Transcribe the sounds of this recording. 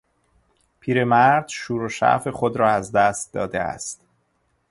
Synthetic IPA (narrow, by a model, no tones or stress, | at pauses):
pʰiːɾe̞mæɾd̪ʃuːɾoʃæ̰fe̞xod̪ɾɒːæzd̪æst̪̚d̪ɒ̰ːd̪eæ̰st̪